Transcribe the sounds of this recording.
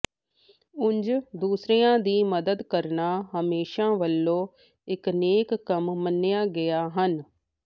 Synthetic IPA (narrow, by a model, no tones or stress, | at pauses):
ʊ̃ɲd͡ʒd̪uːsɾiːãːd̪iːməd̪əd̪kəɾnaːɦəmeːʃãːʋəlːõː | ɪkneːkːəmːənːɪjaːɡɪjaːɦən